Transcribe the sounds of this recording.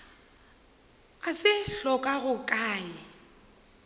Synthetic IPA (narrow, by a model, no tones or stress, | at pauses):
asɪɬɔkʼaɣʊkʼaːɪ